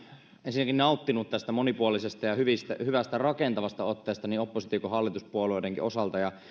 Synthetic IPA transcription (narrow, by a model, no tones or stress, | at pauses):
ensinːækinnɑˑut̪ːinut̪t̪æst̪æmonipuolisest̪ɑjɑhyʋist̪æhyʋæst̪ærɑkent̪ɑʋɑst̪ɑot̪ːeːst̪ɑniːopːosit̪ikohɑlːit̪uspuolueˑideŋkḭʔosɑlt̪ɑjɑ